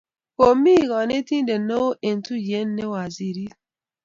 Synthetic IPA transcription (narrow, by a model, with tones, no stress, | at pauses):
o˨mi˦˨ɣɔ˨ne˦ti˦n˦de˨no˦e˨n̩˨tu˦je˦n̩˦ne˦wa˨zi˨ɾi˦